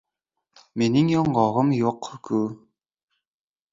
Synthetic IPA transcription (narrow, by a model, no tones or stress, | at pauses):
meniŋjoɴɢɑʁɤmjoqːkʰu